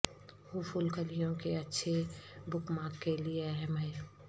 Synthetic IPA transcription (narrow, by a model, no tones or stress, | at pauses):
hupʰulkəlijõkeɐtːʃʰebʊkmãːkkːelieɛɦɛ̃mɦɛ̃ː